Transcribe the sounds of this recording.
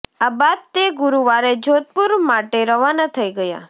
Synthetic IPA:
abad̪̚t̪eɡʊɾuʋaɾed͡ʒot̪̚puɾmaʈeɾəʋanat̪ʰəiɡəja̰

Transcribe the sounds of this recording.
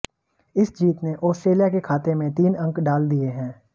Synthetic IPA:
ɪsd͡ʒiːt̪neʔɔːsʈɾeːlijakekʰaːt̪emẽt̪iːnɐ̃ŋkɖaːld̪ieɦɛ̃ː

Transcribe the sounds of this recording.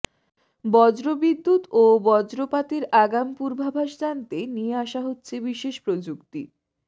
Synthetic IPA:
bɔd͡ʑɾobid̪ːut̪obɔd͡ʑɾopat̪eɾaɡampuɾbʱabʱaʃd͡ʑant̪enieaʃaɦotːɕʰebiʃeʃpɾod͡ʑukt̪ḭ

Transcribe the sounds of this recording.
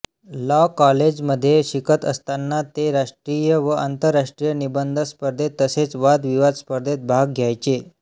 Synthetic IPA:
lɔkɔled͡ʑməd̪ʱːjeɕikʰət̪ə̰st̪anːat̪eɾaʂʈɾijəʋəʔant̪əɾːaʂʈɾijənibənd̪ʱəspəɾd̪ʱet̪əset͡sʋad̪ʋiʋad̪spəɾd̪ʱet̪̚bʱaɡɡʱjajt͡ɕe

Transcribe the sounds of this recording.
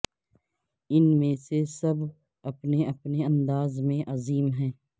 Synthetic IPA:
ɪnmẽsesɐb | ɐpneɐpneɐ̃nd̪aːzmẽʔɐziːmɦɛ̃ː

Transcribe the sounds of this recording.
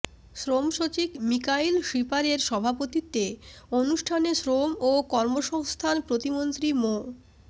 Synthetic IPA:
ʃɾomʃot͡ɕikmikailʃipaɾeɾʃɔbʱapot̪it̪ːeonuʃʈʰaneʃɾomokɔɾmoʃɔŋst̪ʰanpɾot̪imont̪ɾimo

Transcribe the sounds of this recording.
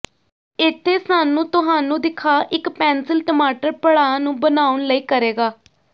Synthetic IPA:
ɪt̪ʰːeːsaːnũːt̪ʊɦaːnũːd̪ɪkʰaːʔɪkpɛːnsɪlʈəmaːʈəɾpəɽaːnũːbənaːʊnləiːkəɾeːɡaː

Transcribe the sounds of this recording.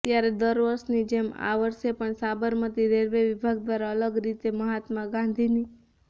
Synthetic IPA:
t̪jaɾed̪əɾʋəɾʃnid͡ʒema̰ʋəɾʃepəɳsabəɾmət̪iɾeɾʋeʋibʱaɡ̚d̪ʋaɾaələɡɾit̪eməɦat̪mãɡãnd̪ʱini

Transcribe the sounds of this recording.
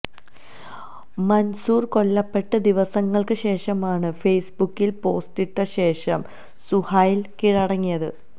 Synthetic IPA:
mɐnsuːrko̞ɭːɐpːe̞ʈːɐd̪iʋɐsɐŋːɐɭkɨɕe̞ːʂɐmaːɳɨfejsbukːilpo̞ːstiʈːɐɕe̞ːʂɐm | suhaːjilkiɻɐɽɐŋːijɐðɨ̰

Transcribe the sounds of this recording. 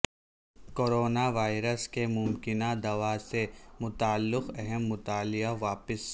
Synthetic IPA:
koːɾoːnaʋaːɪɾəskemʊmkɪnad̪ɐʋasemʊt̪aːlːɪqɛɦɛmːʊt̪aːlɪjaʋaːpəs

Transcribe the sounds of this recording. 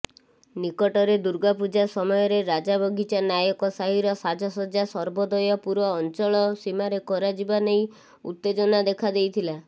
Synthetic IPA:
nikɔʈɔɾed̪uɾɡapud͡ʒasɔmɔjɔɾeɾad͡ʒabɔɡʱit͡ʃanjajɔkɔsaɦiɾɔsad͡ʒʱɔsɔd͡ʒasɔɾbɔd̪ɔjɔpuɾɔːnt͡ʃɔɭɔsimaɾekɔɾad͡ʒibanej | ṵt̪ːed͡ʒɔnad̪ekʰad̪ejt̪ʰila

